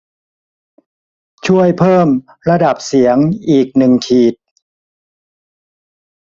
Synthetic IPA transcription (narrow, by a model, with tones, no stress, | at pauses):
t͡ɕʰu˥˩əjpʰɤː˥˩m | ɾa˧da˨˩p̚si˩˦əŋʔiː˨˩k̚nɯ˨˩ŋkʰiː˨˩t̪̚